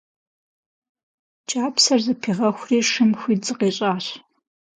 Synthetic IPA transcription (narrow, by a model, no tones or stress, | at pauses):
t͡ʃʼaːpsɐrzɨpʰiːʁɐxʷriːʂɨmxʷiːd͡zɨqeːɕʼaːɕ